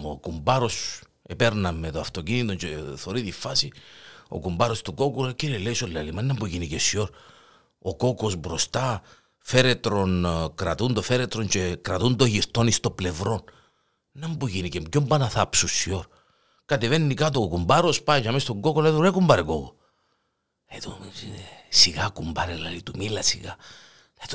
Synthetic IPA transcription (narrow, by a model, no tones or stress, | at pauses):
okumbɐɾo̞s | epeɾnɐmːet̪oɐft̪ocinit̪oɲt͡ʃeθoɾiðifasio̰kumbɐɾo̞st̪uko̞kulciɾieleisolːelimɐnɐmbuʝinicesio̞ɾ | oko̞kosbɾo̞st̪a | fe̞ɾet̪ɾo̞nkɾat̪und̪ofeɾet̪ɾoɲt͡ʃekɾɐt̪und̪oʝiɾt̪o̞nist̪o̞ble̞vɾo̞n | nɐmbuʝinicemɟombɐnɐθapsusio̞ɾ | kɐt̪eve̞nːikat̪okumbaɾospait͡ʃamest̪oŋɡokoleðunekumbɐɾekoko | et̪u | siɣakumbɐɾelːlit̪umilɐsiɣa | et̪